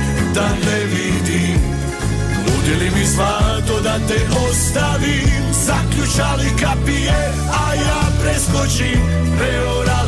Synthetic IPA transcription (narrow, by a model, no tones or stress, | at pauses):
d̪alevid̪i | nud̪elimizvat̪od̪at̪epost̪avi | zaklut͡ʃalikapie | ajapɾeskot͡ʃi | ɾe | oɾa